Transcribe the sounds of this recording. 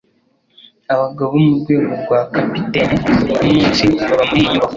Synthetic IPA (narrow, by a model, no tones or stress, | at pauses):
aβaɡaβomuɾɡwe̞ːɡoɾɡwakapitenimit͡ʃiaβamuiɲuβa